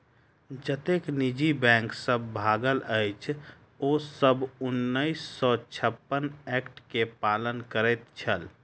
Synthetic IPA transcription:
d͡ʒət̪eknid͡ʒibɛ̃ŋksəbːʱaɡələɪt͡ʃʰ | osəbunːəɪsːɔt͡ʃʰəpːənɛkʈkepalənkəɾəɪt̪t͡ʃʰəl

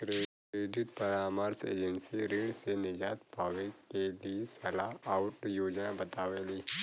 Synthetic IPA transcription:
kɾekeːɖɪʈ̚pɐɾaːmaɾsḛːd͡ʒənsiɾɪ̃ɳsenɪd͡ʒaːt̪paːʋekeliesɐlaaʊʈjoːd͡ʒnabɐt̪aːʋeːliː

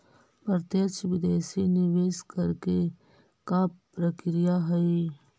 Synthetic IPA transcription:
pəɾt̪jət͡ʃʋɪd̪eːsinɪʋeːskɐɾke | kapɾəkɾijaɦɐi

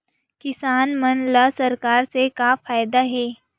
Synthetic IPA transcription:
kɪsaːnmɐnlaːsɐɾkaːɾsekafaːjd̪aɦɛː

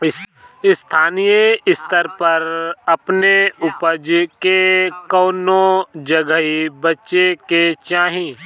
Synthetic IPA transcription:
ɪst̪ʰaːnijeɪst̪əɾpɐɾɐpneʊpəd͡ʒkekɔːnod͡ʒɐɡəibɐtːʃeket͡ʃaːɦĩ

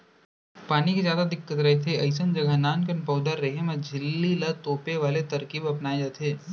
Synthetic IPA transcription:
paːnikizjaːd̪ad̪ɪkːət̪ɾɐɦet̪ʰeɐɪs̬ənd͡ʒɐɡanaːnkɐnpɔːd̪əɾːɐɦemɐ̃d͡ʒʱɪlːilɐt̪oːpeʋaːlet̪ɐɾkiːbɐpnaːed͡ʒaːt̪ʰeː

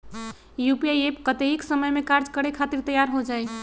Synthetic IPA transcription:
jupiajepkət̪eɦiksəməjmekaɾd͡ʒkəɾekʰat̪iɾt̪əjaɾɦod͡ʒaj

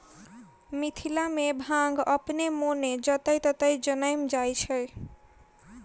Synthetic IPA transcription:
mit̪ʰilamebʱãŋɡʌpnemoned͡zʌt̪ʌjt̪ʌt̪ʌjd͡zʌnʌjmd͡zajt͡sʰʌj

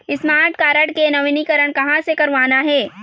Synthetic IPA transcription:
ɪsmaːɾʈkaːɾəɽkenɐʋɪnikəɾəɽ̃kɐɦãsekɐɾʋaːnaɦɛː

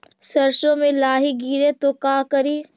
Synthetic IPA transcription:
sɐɾʃõmẽlaːɦiɡiːɾet̪okaːkɐɾiː

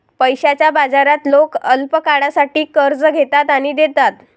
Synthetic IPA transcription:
pəjɕat͡ɕjabad͡zaɾat̪lokəlpəkaɽasaʈiːkəɾd͡zɡʱet̪at̪aɽ̃id̪et̪at̪

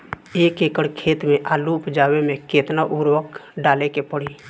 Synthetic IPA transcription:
eːkeːkəɽkʰeːt̪mẽʔaːlupd͡ʒaːwemẽkeːt̪naʔuːɾwəkɖaːlekepəɽiː

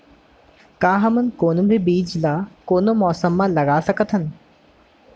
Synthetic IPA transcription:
kaːɦɐmənkoːnũbʱibiːd͡ʒlaːkoːnomɔːsəmːãlɐɡaːsɐkət̪ʰɦən

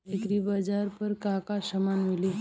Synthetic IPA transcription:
ekɾibad͡ʒaːɾpɐɾkakasɐmaːnmɪli

